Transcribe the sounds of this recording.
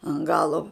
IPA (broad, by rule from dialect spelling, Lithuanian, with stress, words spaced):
ɐn ˈɡɑːlˠoː